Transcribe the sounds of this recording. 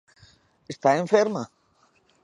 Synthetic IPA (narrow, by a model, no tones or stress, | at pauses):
est̪aẽɱfeɾma